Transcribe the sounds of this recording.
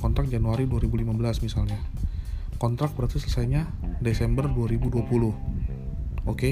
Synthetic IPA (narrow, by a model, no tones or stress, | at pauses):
kɔnt̪ɾak̚d͡ʒanuaɾiduaɾibulimabəlasmisalɲa | kɔnt̪ɾak̚bəɾt̪isələsajɲadesɛmbərduaɾibuduapulʊh | oke